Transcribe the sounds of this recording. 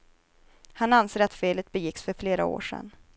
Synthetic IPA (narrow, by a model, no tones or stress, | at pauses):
hananseːɾat̪feːlət̪̚bɛjɪksfœɾfleːɾa̰o̰ːʂɛ̰nː